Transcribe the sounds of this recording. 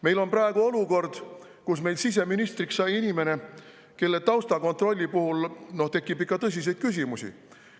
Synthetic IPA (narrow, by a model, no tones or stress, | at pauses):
me̞jlo̞nprɑe̞ɡ̥uo̞luko̞rd̪̥ | kusme̞jlsis̬e̞minist̪riksːɑjinime̞ne̞ | ke̞lːe̞t̪ɑwst̪ɑko̞nt̪ro̞lʲːipuhulno̞ht̪e̞kːˑibikːˑɑt̪ɤs̬ʲis̬e̞jd̪̥kys̬ʲimusʲḭ